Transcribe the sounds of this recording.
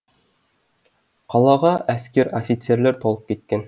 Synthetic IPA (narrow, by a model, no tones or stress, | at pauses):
qɒlˠɑʁɑʔæskeɾofʲit̪seɾlæɾt̪ɒlˠɤp̚kit̪̚kæn